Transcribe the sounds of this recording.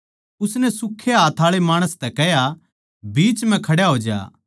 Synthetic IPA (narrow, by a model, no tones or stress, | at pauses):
ʊsnɛsʊkʰːeɦaːt̪ʰaːɭemaːɽ̃əst̪ɛkɛɦja | biːt͡ʃm̤ɛ̃kʰɐɽjaɦoːd͡ʒa̰ː